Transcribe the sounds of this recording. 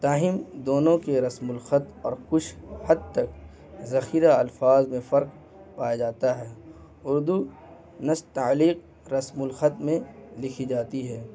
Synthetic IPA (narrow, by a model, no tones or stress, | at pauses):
t̪aːɦɪmd̪oːnõkeɾɐsmʊlxət̪ɔːɾkʊt͡ʃʰhɐd̪̚t̪ɐk | zɐxiːɾaɐlfaːzmẽfɐɾq | paːjad͡ʒaːt̪aɦɛː | ʊɾd̪u | nɐst̪aːliːq̚ | ɾɐsmʊlxət̪mẽlɪkʰid͡ʒaːt̪iɦɛː